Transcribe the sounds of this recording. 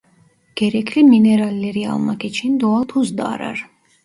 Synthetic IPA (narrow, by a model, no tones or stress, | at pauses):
ɡ̥ɛɾɛkʰliminɛɾalːɛɾia̰lˠmakʼɛt͡ʃʰind̪ɔalt̪ʰuzd̪a̰ːɾa̰ɾ